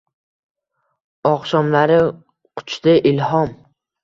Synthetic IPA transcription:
ɒqʃɒmlaɾɪ | qʰʊ̥t͡ʃt̪ɪʔɪlhɒm

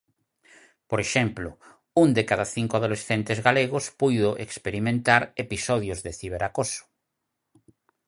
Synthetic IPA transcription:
poɾeʃɛmplʊ | und̪ekaðaθiŋkoaðolesθent̪ezɣaleɣ̞ospujðʊʔḛkspeɾimẽnt̪aɾepisɔðjozðeθiβeɾakosʊ̥

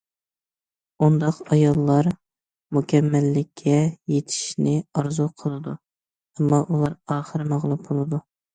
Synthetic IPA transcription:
und̪ɑqɑjɑlˠːɑɾ | mukʲʰɛmːælːɪkʲʰːɛjet̪ʰɪ̥ʃnɪɑɾzuqʰəlˠɨd̪u | ɛmːɑʔulˠɑɾɑːχəɾɨmɑʁlˠumbolˠɨd̪u

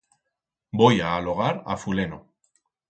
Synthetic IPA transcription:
bojaːloɣaɾa̰fuleno̰

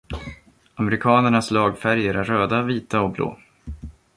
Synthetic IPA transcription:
amɛɾɪkʰɑːnəɳaslɑːɡfæɾjəɾæɾːøːd̪aviːt̪aɔblo̰ː

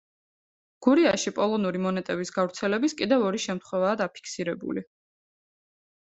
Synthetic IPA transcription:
ɡ̥uɾiaʃipʼɔlˠɔnuɾimɔnɛt̪ʼɛbisɡavɾt̪sʰɛlɛbiskʼid̪ɛvɔɾiʃɛmt̪χwɛvaːd̪apʰi̥kʰsiɾɛbṵli

